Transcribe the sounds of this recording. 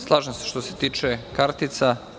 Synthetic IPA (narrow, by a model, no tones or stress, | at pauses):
slˠaːʒosʃt̪oset̪iːt͡ʃekaɾt̪it̪sa